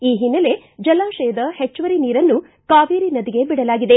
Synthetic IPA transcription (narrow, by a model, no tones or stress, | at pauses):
iːɦinːɐle̞ | d͡ʒɐlaːʃɐjɐd̪ɐhet͡ʃːʋɐɾiniːɾɐnːu | kaːʋiːɾinɐd̪iɡe̞biɽɐlaːɡid̪e̞